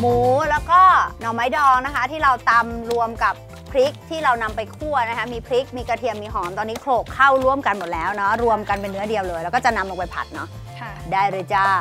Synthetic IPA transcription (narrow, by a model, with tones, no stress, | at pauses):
muː˨˩˦lɛː˦˥wkɔː˥˩nɔ˨˩˦wma˦˥jdɔː˧ŋna˦˥kʰa˦˥t̪ʰiː˥˩ɾa˧wt̪a˧mɾu˧əmka˨˩pʰːɾi˦˥k̚t̪ʰiː˥˩ɾa˧wna˧mpa˧jkʰu˥˩ɐna˦˥kʰa˦˥miː˧pʰɾi˦˥k̚miː˧ka˧t̪ʰi˧əmːiː˧ɦɔː˩˦nt̪ɔː˧nːiː˦˥kʰloː˨˩kʰːa˥˩wɾu˥˩əmka˧nmo˨˩t̪̚lɛː˦˥wnɔ˦˥ɾu˧əmka˧npe˧nːɯ˦˥ɐdi˧əwlɤː˧jlɛː˧˦˥wkːɔː˥˩t͡ɕa˨˩na˧mlo˧ŋpa˧jpʰa̰˨˩t̪̚nɔ˦˥ | daː˥˩jɾɯ˧jt͡ɕa˧˩